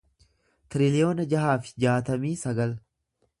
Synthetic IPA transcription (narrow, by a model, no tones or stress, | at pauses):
t̪ɪɾɪlɪjo̞ːnɐd͡ʒɐhaːfɪ̥d͡ʒaːt̪ɐmiːsɐɡɐl